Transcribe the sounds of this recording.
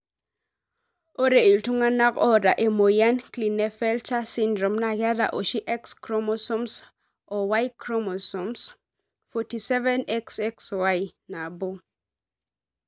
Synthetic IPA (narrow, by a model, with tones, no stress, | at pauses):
o˦ɾe˨i˨ltu˦ŋa˦na˦kɔ˦ɾa˨ʔe˨mo˨ja˦nkli˨ne˦fɛ˦lta˦si˦ndɾɔ˨mna˦˨ɡa˦da̰˨ʔo˨ʃi˦ʔɛ˦kskɾo˦mo˦sɔ˦ms | ɔ˨wa˦jkɾo˦mo˨sɔ˨ms | fɔ˨ti˨sɛ˦vɛ˦nɛ˦ksɛ˦kswa˦jna˨bo˦